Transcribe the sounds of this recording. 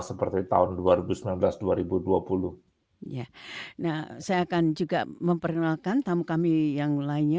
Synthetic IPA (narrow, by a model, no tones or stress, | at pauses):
səpərt̪it̪a̰ɦʊnduaɾibusəmilanbəlasduaɾibuduapuluh | janahsajaːkand͡ʒuɡa̰ʔməmpərkənalkant̪amukamijaŋlaɪɲɲa